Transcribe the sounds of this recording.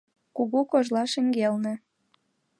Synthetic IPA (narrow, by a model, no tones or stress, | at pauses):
kuɣukoʒlɑʃə̆ŋɡelnĕ